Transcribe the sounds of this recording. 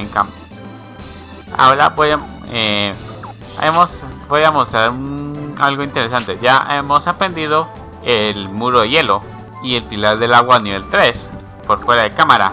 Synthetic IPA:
eŋkam | a̰o̞ɾabojae | ḛmo̞sbo̞jamo̞st̪ɾaɾunalɣoint̪e̞ɾes̬ant̪e̞ʝaʔe̞mo̞sapɾe̞nd̪iðo | elmuɾoðeje̞lo̞ | ie̞lpilaɾðe̞laɣwaniβe̞lt̪ɾe̞s | po̞ɾfwe̞ɾaðe̞kamaɾa̰

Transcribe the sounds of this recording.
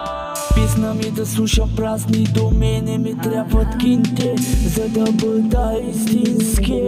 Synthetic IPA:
pisnəmid̪ɐslˠuʃəpɾaznid̪omɛnɛmit̪ɾʲjabvət̪kint̪ɛzɐd̪ɐbəd̪əist̪inski

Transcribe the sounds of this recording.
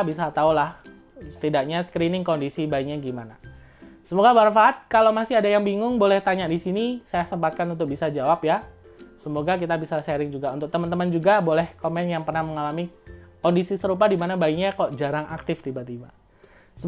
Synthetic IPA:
bisat̪aulah | sə̥t̪idaʔɲaskɾinɪŋkondisibaikɲaɡimana | səmoɡabaɾanfaɦat̪̚kalowmasɪadajaŋbiŋʊŋbolɛht̪aɲaʔdisinisajasəmpat̪̚kanunt̪ʊk̚bisad͡ʒawapja | səmoɡak̬it̪abisaseɾɪŋd͡ʒuɡaunt̪ʊk̚t̪əmənt̪əmənd͡ʒuɡabolɛhkomɛnjaŋpərnahməŋalamikondisisəɾup̬adimanabaiɲakɔʔd͡ʒaɾaŋʔak̚t̪ɪft̪ibat̪iba | sə

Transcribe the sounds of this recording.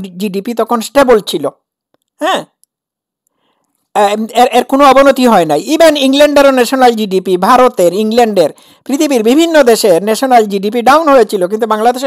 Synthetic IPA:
d͡ʑiɖipit̪ɔkʰonsʈebolt͡ɕʰilo | hɛ̃ | eɾʔeɾkonoɔbonot̪iɦɔenajibeniŋleɳɖeɾonɛʃonald͡ʑiɖipibʱaɾot̪eɾiŋleɳɖeɾ | pɾit̪ʰibiɾbibʱinːod̪eʃeɾnɛʃonald͡ʑiɖipiɖawnɦojet͡ɕʰilok̬int̪̬ubaŋlad̪eʃe

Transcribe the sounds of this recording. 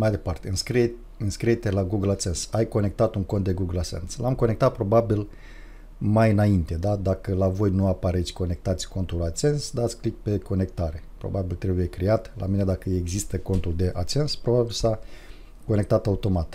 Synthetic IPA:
majd̪e̞part̪e̞ɨnskɾit | ɨnskɾiet̪elaɡuɡəlat͡ʃe̞nsajko̞ne̞k̚t̪at̪uŋkont̪̚d̪e̞ɡuɡəlase̞̰nslamko̞ne̞k̚t̪at̪̚pɾo̞babil | majɨnaint̪e̞d̪ad̪akəlavo̞jnuapaɾe̞t̪sʲko̞ne̞k̚t̪at̪sʲko̞nt̪ulat͡ʃe̞nsd̪at̪sʲklik̚pe̞ko̞ne̞k̚t̪aɾe̞pɾo̞̰babilt̪ɾe̞buje̞kɾijat̪lʔa̰mine̞d̪akəeɡzist̪əko̞nt̪uld̪e̞ʔat͡ʃe̞nspɾo̞babilsa | ko̞ne̞k̚t̪at̪aut̪o̞mat̪

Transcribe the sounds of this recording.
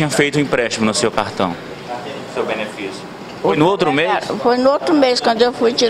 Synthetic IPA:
ĩɲɐ̃fejt̪ʊ̃ĩpɾɛʃt͡ʃimʊnʊsewkaɾt̪ɐ̰̃w̃ | sewbenefisjʊ | fojnʊowt̪ɾʊmesfojnʊowt̪ɾʊmeskwɐ̃nd̪ʊewfujt͡ʃi

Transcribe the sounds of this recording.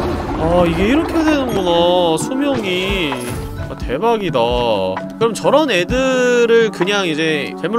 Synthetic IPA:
aiɡe̞iɾʌkʰedwe̞nɯnɡonasʰumjʌŋi | ate̞baɡidakɯɾʌmnt͡ɕʌɾʌne̞dɯɾɯɭkɯɲaŋid͡ʑe̞t͡ɕʌɭmu

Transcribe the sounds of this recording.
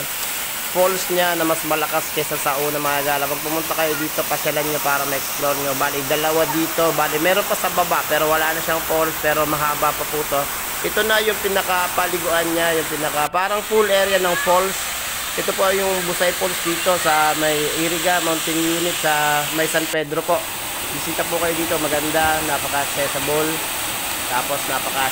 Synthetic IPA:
folsɲanɐmɐsmɐlɐkaskɐjsɐsɐʔuːnɐmɐŋɐɡaːlɐpɐɡ̚pʊmʊnt̪akɐjo̞d̪iːt̪o̞pɐkɐlanɲopaːɾɐŋmɐʔɛksploɾɲobaːlɪd̪ɐlɐwad̪iːt̪o̞baːlɪmɛːɾo̞npɐsɐbɐbaʔpɛːɾo̞wɐlaːnɐʃaŋpo̞lspɛːɾo̞mɐɦaːbapɐput̪o̞ | ʔɛt̪o̞nɐjʊŋpɪnɐkapɐlɪɡʊʔanɲajʊŋpɪnɐkapaːɾɐŋfulʔɛːɾjanɐŋpols | ʔɛt̪o̞po̞jʊŋbʊsajpolsd̪iːt̪o̞sɐmɐjʔiɾɪɡamant̪ɪŋjuːnɪt̪̚sɐmɐjsɐnpɛd̪ɾo̞po̞ʔ | bɪsiːt̪ɐpʊkɐjod̪iːt̪o̞mɐɡɐnd̪anapɐkɐʔɐksɛsɐbol | t̪aːpo̞snapɐka

